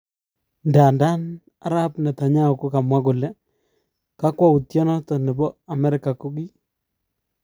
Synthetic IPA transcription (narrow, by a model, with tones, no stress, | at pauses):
nda˨nda˦n | a̰˦ɾa˦pnɛ˨ta˨ɲa˦o˨ko˦ka˨mwa˦kʊ˨lɛ˦ | ka˦kwa˦u˨tjɔ˦nɔ˦tɔ˨nɛ˨bɔ˦a˨mɛ˦ɾɪ˨ka˨ku˦ki˦